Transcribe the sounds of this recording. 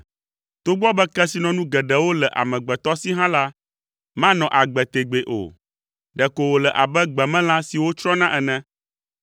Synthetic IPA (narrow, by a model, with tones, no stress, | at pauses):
t̪o˦ɡ͡bɔ˦bɛ˦kɛ˦si˨nɔ̃˨nũ˦ɡɛ˨ɖɛ˨wo˦lɛ˨ʔa̰˨mɛ̃˨ɡ͡bɛ˨t̪ɔ˦si˦ɦã˦la˦ | mã˦nɔ̃˨ʔa˨ɡ͡bɛ˨t̪e˨ɡ͡be˨ʔo̰˨ | ɖɛ˨ko˨wo˨lɛ˨ʔa˨bɛ˦ɡ͡bɛ˨mɛ̃˦la˦si˨wo˦t͡ʃɾɔ̃˦nã˦ʔɛ˨nɛ̃˦